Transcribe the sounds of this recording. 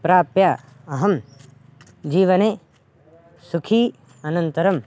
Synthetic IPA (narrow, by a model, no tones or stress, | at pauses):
pɾaːpja | ɐɦɐm | d͡ʒiːʋɐne | sukʰiː | ɐnɐnt̪ɐɾɐm